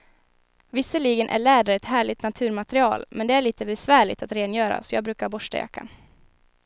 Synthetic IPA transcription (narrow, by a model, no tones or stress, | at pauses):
vɪsːəɭiːɡənʔæ̰ɭæːɖaɾɛt̪ɦæːɭɪt̪nat̪ʰʉ̟ːɾmat̪ɾɪɑ̰ːlmʔɛnd̪ɛæɭiːt̪əbɛsvæːɭɪ̰t̪at̪ɾeːnjœːɾa̰sɔjɑːɡbɾʉ̟ːkaɾbɔʂʈa̰ja̰kːa̰n